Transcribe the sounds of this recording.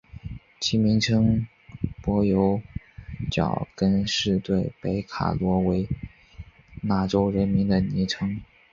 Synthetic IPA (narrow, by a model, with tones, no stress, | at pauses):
t͡ɕʰi˧˥mi˧˥ŋʈ͡ʂʰɤ˥ŋ | pwɔ˧˥jo˧˥ʊ | t͡ɕjɑ̰˨˩ʊkə˥nʂɻ̩˥˧t̪we˥˩ɪpe˧˥ɪkʰa̰˨˩lwɔ˧˥we˧˥ɪ | na˧˥ʈ͡ʂo˥ʊɻə˧˥nmi˧˥nd̪ə˨ni˧˥ʈ͡ʂʰɤ˥ŋ